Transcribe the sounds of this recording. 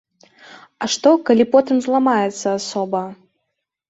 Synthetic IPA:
ɐʂt̪ɔkalʲipɔt̪ɨmzlˠamajɛt̪sːɐasɔbɐ

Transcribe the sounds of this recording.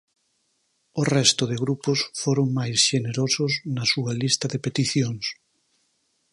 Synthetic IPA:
orɛst̪ʊðɪɣɾupʊsfoɾoŋmajsʃeneɾosʊsnɐsuɐlist̪ɐðepet̪iθjoŋs

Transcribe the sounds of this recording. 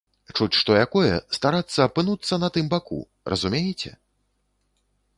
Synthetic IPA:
t͡ʂut͡sʲʂt̪ɔjakɔjɛ̰st̪aɾat̪sːɐːpɨnut̪sːɐnɐt̪ɨmbakṵ | rʔɐ̰zumʲejɛt͡sʲɛ̰

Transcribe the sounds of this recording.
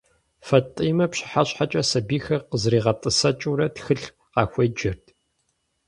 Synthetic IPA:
fɐtʼiːmɐpɕɪ̥ħaɕħat͡ʃʼɐsɐbiːxɐrqəzriːʁɐtʼɨsɐt͡ʃʼuɾɐtxɨɬ | qɑːxʷed͡ʒɪrtʰ

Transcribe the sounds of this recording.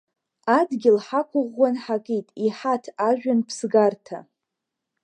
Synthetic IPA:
adɡʲɪlħakʷʰʼʊʁʷːanħakʼitʼiħatʰaʒᶣanpʰsɡartʰa̰

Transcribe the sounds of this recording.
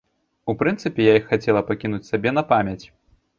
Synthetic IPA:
upɾɨnt̪sɨpʲɛjaixːat͡sʲɛlˠɐpakʲinut͡sʲsabʲɛnɐpamʲjɐt͡sʲ

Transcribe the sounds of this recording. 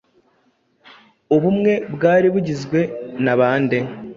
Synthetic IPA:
oβumŋe̞bɡaːɾiβuɟizɡwe̞naβaːnde̞

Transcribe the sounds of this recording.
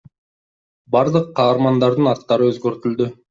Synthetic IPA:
bɑɾd̪ɯqʰːɑːɾmɑnd̪ɑɾd̪ɯnɑt̪ːɑɾɯøzɡøɾt̪yld̪y

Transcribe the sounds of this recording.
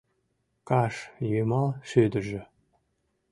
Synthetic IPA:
kɑʃjømɑlʃød̪ə̆ʒĕ

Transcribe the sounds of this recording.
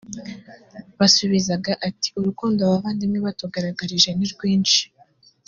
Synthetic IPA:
βasuβizaɡaʔati̥uɾukuːndoaβaβaːndimŋeβatuɡaɾaɡaɾiʒe̞niɾɡwiːnt͡ʃi̥

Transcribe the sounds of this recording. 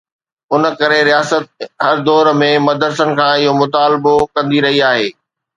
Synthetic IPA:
ʊnə̆kɐɾeɾijaːsət̪̚ɦɐɾd̪ɔːɾmẽmɐd̪əɾsənɪ̆kʰãːɪɦomʊt̪aːlbokɐ̃nd̪iɾɐɦiaːɦeː

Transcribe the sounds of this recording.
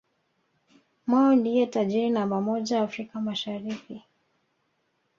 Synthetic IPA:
mwaɔndijɛtaʄiɾinambamɔʄawaːfɾikamaʃaɾiki

